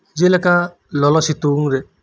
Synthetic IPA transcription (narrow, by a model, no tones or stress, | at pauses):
d͡ʒeleka | lɔlɔsit̪uŋɾe